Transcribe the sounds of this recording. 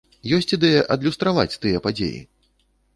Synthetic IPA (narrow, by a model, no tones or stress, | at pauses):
jɔsʲt͡sʲid̪ɛjɐʔɐd̪lʲust̪ɾava̰t͡sʲt̪ɨjɛpad͡zʲḛjḭ